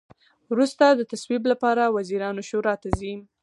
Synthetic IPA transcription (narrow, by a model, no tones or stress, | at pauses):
wɾust̪ad̪ət̪aswiblapɑɾawaziɾɑnoʃoɾɑt̪azim